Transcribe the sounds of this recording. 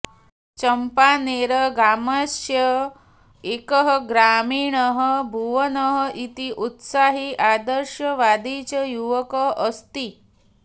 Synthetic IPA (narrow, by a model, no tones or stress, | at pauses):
t͡ʃəmpaneɾəɡaməsjə | ekəɦəɡɾaːmiːɳəɦəbʱuʋənəɦəʔit̪iʔut̪saːɦiʔad̪əɾʃjɐʋaːd̪iːt͡ʃəjuʋəkəɦʔːst̪i